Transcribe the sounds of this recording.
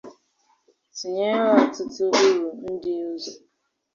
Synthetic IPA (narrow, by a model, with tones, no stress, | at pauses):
si˨ɲe˦ɾa˦˨tʊ˦tʊ˦u˦ɾu˨n̩˦dɪ˦ʊ˦zo˨